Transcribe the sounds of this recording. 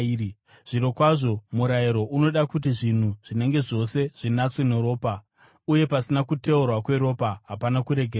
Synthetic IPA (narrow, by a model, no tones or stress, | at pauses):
ʐ̥iɾo̞kwaʐo̞muɾaiɾo̞ʔuno̞ɗakutiʐin̤uʐ̥ine̞ŋɡe̞ʐo̞se̞ʐ̥inat͡sweneɾo̞ːpa | uje̞pasinakute̞urwakwe̞ɾo̞paɦapanakuɾe̞ɡʱe